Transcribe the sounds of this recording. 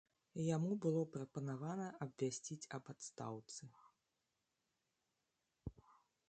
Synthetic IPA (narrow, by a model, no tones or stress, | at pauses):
jamubɨlˠɔpɾɐpɐnavanɐʔɐbvʲasʲt͡sʲit͡sʲɐbat̪st̪a̰wt̪sɨ